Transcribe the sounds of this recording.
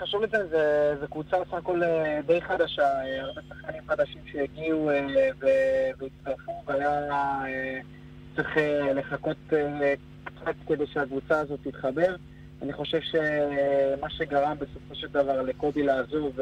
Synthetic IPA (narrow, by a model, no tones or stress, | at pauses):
χaʃuvlezenzezekvut͡sabesaχako̞led̪e̞jχad̪aʃaeaʁbe̞sḁχkanimχad̪aʃimʃejaɡiuveveit̪st̪aʁfuvajae | t͡sʁeχele̞χako̞t̪e | kt͡sat̪ked̪e̞jʃeakvut͡saːzo̞t̪ːit̪χabe̞ʁ | aniχo̞ʃe̞vʃe̞ | maʃe̞ɡaʁambe̞so̞fo̞ʃe̞ld̪avaʁle̞ko̞bilaːzo̞v